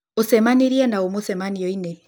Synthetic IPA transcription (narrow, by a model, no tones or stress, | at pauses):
osɛmaniɾiɛnaomosɛmaniɔinɛ